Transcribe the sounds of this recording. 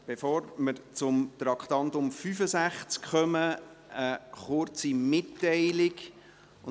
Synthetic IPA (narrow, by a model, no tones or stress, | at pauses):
b̥efɔːɾməɾt͡sʊmt̪ɾɑkχt̪ɑntʊmfyfəsæχt͡skχœmə | əχʊɾt͡simɪtːɛɪlɪɡ